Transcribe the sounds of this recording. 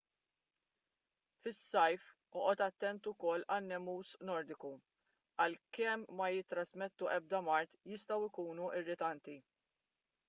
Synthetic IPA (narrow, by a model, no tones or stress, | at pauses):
fɪsːɐjf | ɔʔɔt̪ɐt̪ːɛnt̪ʊkɔlːɐnːɛmuːsnɔɾd̪ɪku | ɐlkɛmːɐjɪt̪ːɾɐsmɛt̪ːuʔɛb̚d̪ɐmɐɾt̪jɪst̪ɐwɪkuːnuʔɪrːɪt̪ɐnt̪i